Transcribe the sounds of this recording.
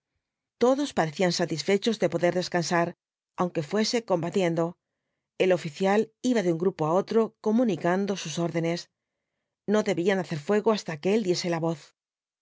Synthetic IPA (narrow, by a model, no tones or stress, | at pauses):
t̪o̞ðo̞spaɾe̞θiansat̪isfe̞t͡ʃo̞zðe̞po̞ðe̞ɾðe̞skansaɾ | awŋke̞fwe̞se̞ko̞mbat̪je̞nd̪o̞ | e̞lo̞fiθjaliβaðeuŋɡɾupoao̞t̪ɾo̞ko̞mũnikand̪o̞suso̞ɾðe̞ne̞s | no̞ðe̞βianaθe̞ɾfwe̞ɣo̞ast̪akeeld̪je̞se̞laβo̞θ